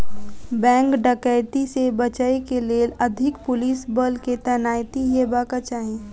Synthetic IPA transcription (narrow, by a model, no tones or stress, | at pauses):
bɛ̃ːŋkɖəkəɪt̪isebət͡ʃəekeleːləd̪ʱɪkpʊliːsbəlket̪ənaːjt̪iɦebaːkət͡ʃaːɦĩ